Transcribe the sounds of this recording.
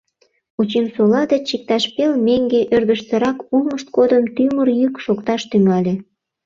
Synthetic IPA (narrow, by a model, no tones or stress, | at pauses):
ut͡ɕemsolɑd̪et͡ɕik̚t̪ɑʃpelmeŋɡeʔørd̪əʃseɾɑkuməʃt̪̚kod̪əmt̪ymərjykʃokt̪ɑʃt̪yŋɑlʲe